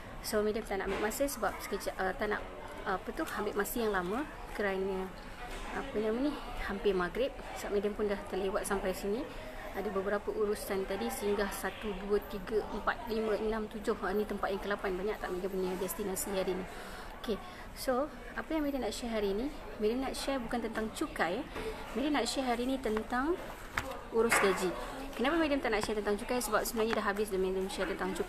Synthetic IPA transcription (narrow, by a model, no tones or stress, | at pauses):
somedəmt̪aʔna̰ʔambɪʔmasəsəbap̚sə̥kət͡ʃaʔət̪ana̰ʔ | pət̪uhambɪʔmasijaŋlamə | kəɾanə | apənaməni | hampɪmaɡɾɪp̚ | saʔmedəmpʊndaht̪əlewat̪̚sampajsini | adabəbəɾapəʔuɾusant̪adisəɦiŋɡasat̪uduət̪iɡəʔəmpa̰t̪̚limə̃ənãmt̪ud͡ʒʊhanit̪əmpat̪̚jaŋkəlapanbaɲaʔ̚t̪aʔmedəməniədɛst̪inasiɦaɾini | oke | so | apəjaŋmedəmnaʔʃɛrɦaɾiːni | medəmnaʔʃɛrbukant̪ənt̪aŋt͡ʃukaj | medəmnaʔʃɛɦaɾinit̪ənt̪aŋ | uɾʊsɡad͡ʒi | kənapamedəmt̪aʔnaʔʃɛt̪ənt̪aŋt͡ʃukajsəbap̚səmuaɲadaɦabɪsdamedəmʃɛrt̪ənt̪aŋt͡ʃuk